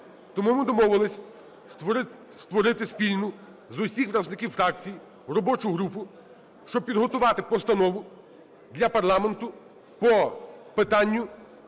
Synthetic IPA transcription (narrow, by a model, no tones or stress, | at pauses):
t̪ɔmumɪd̪ɔmɔʋɪlˠɪsʲɐ | st̪ʋɔɾɪt̪ɪspʲilʲnʊ | zʊsʲixpɾɐʒnɪkʲiwfɾɑk̚t͡sʲiji | rɔbɔt͡ʃʊɦɾupʊ | ʃt͡ʃɔb̚pʲid̪ɦɔt̪ʊʋɑt̪ɪpɔst̪ɐnɔʋʊ | d̪lʲɐpɐrlˠɑme̞nt̪ʊ | pɔpɪt̪ɑnʲːʊ